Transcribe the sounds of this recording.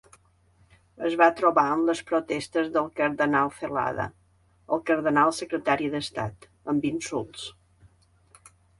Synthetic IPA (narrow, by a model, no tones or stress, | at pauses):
əzβat̪ɾuβaəmləspɾut̪ɛst̪əzðəlˠkəɾðənalˠfəla̰ðə̰ | əlˠkəɾðənalˠsəkɾət̪aɾiðəst̪a̰t̪ | əmbinsulˠs